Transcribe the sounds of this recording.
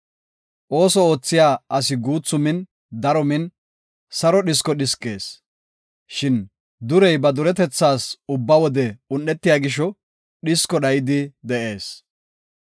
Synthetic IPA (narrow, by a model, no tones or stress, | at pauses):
ʔo̞ːsɔo̞ːt͡sːɪjaːɐsɪɡuːt͡sːʊmɪn | d̪ɐɾɔmɪn | sɐɾɔɗɪs̬kɔɗɪskʼːe̞̰ːs | ʃɪn | d̪ʊɾɛjbɐd̪ʊɾɛt̪ɛt͡sːaːsʊbːɐwɔd̪ɛʊnɗːɛt̪ːɪjaːɡɪʃɔ | ɗɪskɔɗɐjɪd̪ɪd̪ɛʔe̞ːs